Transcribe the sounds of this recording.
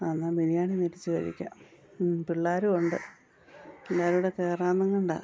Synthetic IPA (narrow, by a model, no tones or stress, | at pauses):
anːabilijaːɳineɾit͡ɕːɨʋɐ̰ɾḭkʲːa̰ | piɭːaːɾuoɳɖɨ | elːaːɾuuɽekeːraːnɐŋːuɳɖa̰ː